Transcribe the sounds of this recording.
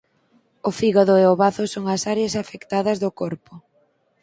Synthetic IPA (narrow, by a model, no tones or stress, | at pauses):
ʊfiɣaðʊeoβaθʊsoŋɐsaɾjɐsafekt̪aðɐzðʊkoɾpʊ